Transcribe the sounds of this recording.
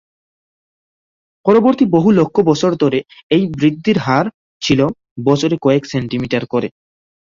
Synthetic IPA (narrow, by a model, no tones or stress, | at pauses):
pɔɾoboɾt̪iboɦulokʰːobɔt͡ɕʰoɾd̪ʱɔɾeejbɾid̪ːiɾɦaɾ | t͡ɕʰilo | bɔt͡ɕʰoɾekɔekseɳʈimiʈaɾkɔɾe